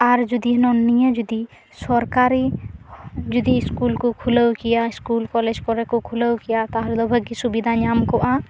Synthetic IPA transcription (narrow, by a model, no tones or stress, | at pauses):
aɾd͡ʒud̪inonːijə̃d͡ʒud̪i | sɔɾkaːɾi | d͡ʒud̪iɪskuːlkokʰʊləwkijaɪskuːlkɔled͡ʒkɔɾekokʰuləwkijat̪aɦɾd̪ɔbʱəɡisubid̪ʱaɲaːmkoʔa